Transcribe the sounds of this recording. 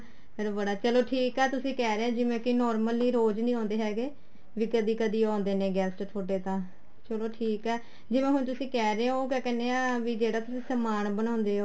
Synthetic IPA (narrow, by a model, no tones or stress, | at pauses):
meːɾobəɽaːt͡ʃəloːʈʰiːkɛːt̪ʊsĩːkɛːɾeːãːd͡ʒɪʋẽːkɪnɔːɾməliːɾoːd͡ʒnĩːɔ̃ːnd̪eːɦɛːɡeː | ʋiːkəd̪iːkəd̪iːɔ̃ːnd̪eːnẽːɡɛːsʈt̪ʰoːʈeːt̪ãː | t͡ʃəloːʈʰiːkɛː | d͡ʒɪʋẽːɦʊɳt̪̬ʊsĩːkɛːɾẽːoːkɛːkɛneːaːʋiːd͡ʒeːɽaːt̪ʊsĩːsəmaːnbənãːʊ̃nd̪eːɦoː